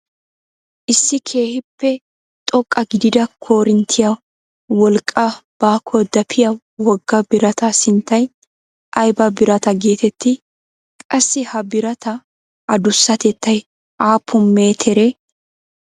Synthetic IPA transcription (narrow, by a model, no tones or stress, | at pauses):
ʔɪsːɪkʰeːhɪpːɛ | t̪ʼɔkʼːɐɡɪd̪ɪd̪ɐkʰo̞ːɾɪnt̪ʰɪjɐ | wɔlkʼːɐb̥aːkʰɔd̪ɐpʰɪjɐ | wɔɡːɐbɪɾɐt̪ɐsɪnt̪ːɐj | ʔɐjbɐbɪɾɐt̪ɐɡe̞ːt̪ɛt̪ːɪ | kʼɐsːɪhɐbɪɾɐt̪ʰɐ | ʔɐd̪ʊsːɐt̪ɛt̪ːɐj | ʔaːpʰːʊmːeːt̪ʰɛɾeː